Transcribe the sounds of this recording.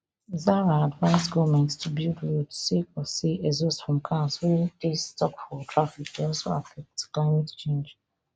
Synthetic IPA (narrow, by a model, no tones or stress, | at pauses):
zaɹaadvaɪzɡɔmɛ̃ntstʰubildwutu̥sikɔsiʔezosfɹɔ̃mkʰaswɛdistɔkfɔtɹafikdeɔlˠsoafɛk̚tklaɪmɛtt͡ʃẽnd͡ʒ